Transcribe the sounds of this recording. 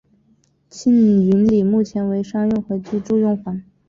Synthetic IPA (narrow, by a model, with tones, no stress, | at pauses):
t͡ɕʰi˥ny˧˥nli˨˩mu˥˩t͡ɕʰjɛ˧˥nwe˧˥ɪʂɑ˥ŋjʊ˥˩ŋxwɤ˧˥t͡ɕy˥˧ʈ͡ʂu˥˧jʊ˥˩ŋxwa˧˥n